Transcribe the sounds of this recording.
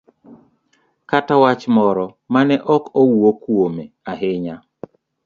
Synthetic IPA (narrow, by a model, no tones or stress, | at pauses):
katawat͡ʃmɔɾɔ | manɛʔɔkowokwomeaɦɪɲa